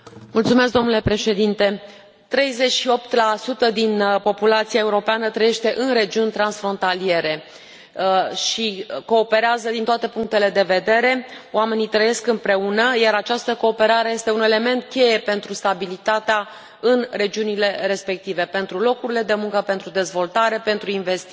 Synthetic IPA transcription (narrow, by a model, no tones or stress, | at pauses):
mult̪sumesk̚ɡd̪onule̞pɾe̞ʃe̞d̪int̪e̞ | t̪ɾe̞jze̞t͡ʃʃio̞pt̪lasut̪əd̪inpo̞pulat̪siae̞uɾo̞peanət̪ɾəje̞ʃt̪e̞ʔɨnre̞d͡ʒiunʲt̪ɾansfɾo̞nt̪alie̞ɾe̞ | ʃiko̞ːpe̞ɾeazəd̪int̪oat̪e̞puŋk̚t̪e̞le̞d̪e̞ve̞d̪e̞ɾe̞oame̞nit̪ɾəje̞skɨmpɾe̞unəjaɾat͡ʃast̪əko̞ːpe̞ɾaɾe̞jest̪e̞une̞le̞me̞nt̪kʲe̞je̞pe̞nt̪ɾust̪abilit̪at̪ea | ɨnre̞d͡ʒiunile̞ɾe̞spe̞k̚t̪ive̞pe̞nt̪ɾulo̞kuɾile̞d̪e̞muŋkəpe̞nt̪ɾud̪e̞zvo̞lt̪aɾe̞pe̞nt̪ɾuinve̞st̪i